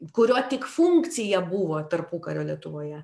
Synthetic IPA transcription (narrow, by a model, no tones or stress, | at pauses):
kʊɾʲoːt̪ʲɪkfuŋkt̪t͡s̪sʲɪjɛbuʋoːt̪ɐrpuːkɐɾʲoːlʲiɛt̪ʊʋoːjɛ